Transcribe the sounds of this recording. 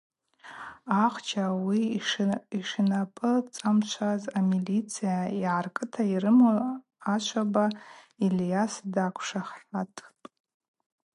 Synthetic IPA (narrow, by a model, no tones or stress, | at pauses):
aχʷt͡ʃʰawi | iʂɨnapʼɨt͡sʼamt͡ʃʷʰazamilit͡sʰijaiʕarkʼɨtʰairɨmo | at͡ʃʷʰabailʲjasdakʷʰʂaχħatʼ